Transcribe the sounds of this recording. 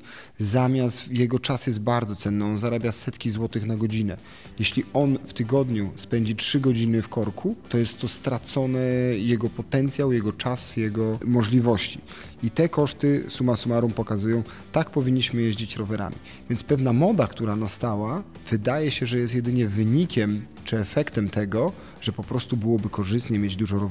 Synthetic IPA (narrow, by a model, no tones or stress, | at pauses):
zamʲjast̪jɛɡɔt͡ʂasjɛst̪̚baɾd̪zɔt̪sɛnːɘɔnzaɾabʲjasɛt̪kʲizwɔt̪ɘxnaɡɔd͡ʑinɛ̰ | jɛɕlʲiɔnft̪ɘɡɔd̪ɲuspɛɲd͡ʑitʂɘɡɔd͡ʑinɘfkɔɾkʰut̪ɔjɛst̪ːɔst̪ɾat̪sɔnɛjɛɡɔpɔt̪ɛnt̪sʲjawjɛɡɔt͡ʂasjɛɡɔmɔʐlʲivɔɕt͡ɕḭ | it̪ɛkɔʂt̪ɘsumasumaɾumpɔkazujɔ̃w̃ | t̪ak̚pɔvʲiɲːiɕmɘjɛʑd͡ʑit͡ɕɾɔvɛɾa̰mʲḭ | vʲjɛnt̪spɛvnamɔd̪akt̪uɾanast̪awa | v̥ɘd̪ajɛɕɛʐɛjɛst̪jɛd̪ɘɲɛvɘɲikʲɛm | t͡ʂɘɛfɛkt̪ɛmt̪ɛɡɔ | ʐ̥ɛpɔpɾɔst̪ubɘwɔbɘkɔʐɘst̪ɲɛmʲjed͡ʑd̪uʐɔɾɔv